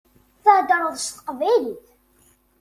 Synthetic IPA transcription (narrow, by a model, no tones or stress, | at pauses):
θəʕd̪ɾˤəðˤst̪ə̥qvæjliθ